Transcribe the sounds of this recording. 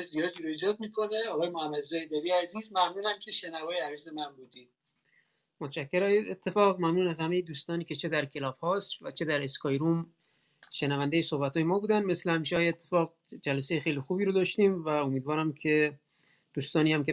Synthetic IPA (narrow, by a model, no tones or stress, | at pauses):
zijɒːd̪iɾoid͡ʒɒːd̪̚miːkʰo̞neɒːɣɒːjemohæmːæd̪zɒːjed̪æɾiæziːzmæmnuːnæmcʲʰe̞ʃenævɒːjeæziːzemænbuːd̪i̥ | mot̪ʃækʰːeɾɒːjeet̪ʰːe̞fɒːɣmæmnuːnæzhæmejed̪uːst̪ɒːniːce̞t͡ʃʰe̞d̪æɾkʰe̞lɒːb̥hɒːst̪væt͡ʃʰe̞d̪æɾeskɒːjɾuːm | ʃenævænd̪ejesohbæt̪hɒːjemɒːbuːd̪ænmeslehæmiːʃɒːjeːt̪ʰːe̞fɒːɡ̚ | d͡ʒælæsejexejliːxuːbiːɾod̪ɒʃt̪iːmvæomiːd̪vɒːɾæmkʰe̞ | d̪̥uːst̪ɒːniːhæme